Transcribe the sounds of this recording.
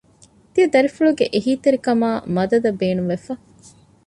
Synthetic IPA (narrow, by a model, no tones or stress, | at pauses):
t̪iɐd̪ɐɾifuɭuɡeʔeɦiːt̪eɾikɐmaːmɐd̪ɐd̪ɐbeːnuʋefɐ